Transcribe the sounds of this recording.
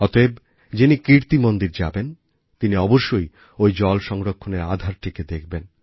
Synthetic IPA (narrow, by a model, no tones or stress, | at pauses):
ɔt̪oeb | d͡ʑinikiɾt̪imond̪iɾd͡ʑa̰ben | t̪iniɔboʃːoj | ojd͡ʑɔlʃɔŋɾokʰːoneɾa̰d̪ʱaɾʈʰiked̪ekʰben